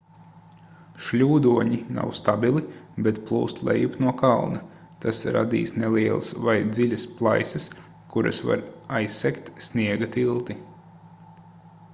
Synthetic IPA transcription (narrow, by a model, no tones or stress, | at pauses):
ʃlʲuːd̪uɔɲina̰wst̪abilˠibet̪plˠuːst̪lˠɛ̰jupnuɔkalˠnɐ | t̪ʰasɾa̰d̪ḭːsneliɛlˠasvajd̪zilʲasplˠajsɐs | kuɾa̰sva̰ɾajsːɛkt̪snʲiɛɡat̪ilˠt̪i